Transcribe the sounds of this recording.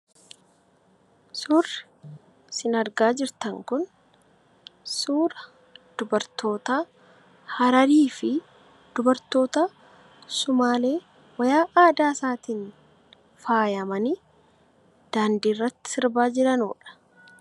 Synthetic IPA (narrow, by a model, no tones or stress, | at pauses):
sʊrːɪ | sɪnɐɾɡaːd͡ʒɪɾt̪ɐŋkʊn | suːɾɐ | d̪̥ʊbɐɾt̪o̞ːt̪aː | hɐɾɐɾiːfɪ | d̪ʊbɐɾt̪o̞ːt̪a | sʊmaːle̞ː | wɐjaːʔaːd̪aːsaːt̪iːn | faːjɐmɐnɪ | d̪̥aːnd̪iːrːɐt̪ːɪ̥sɪɾbaːd͡ʒɪɾɐno̰ːᶑɐ̥